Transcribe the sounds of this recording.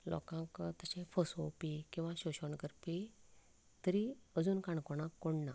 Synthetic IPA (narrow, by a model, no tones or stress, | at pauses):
lɔ̰kãkt̪əɕẽfɔsopikĩw̃ʋãɕoɕɔɳɡəɾpi | t̪əɾiəd͡zuːnkaɳkɔɽãkːoɽna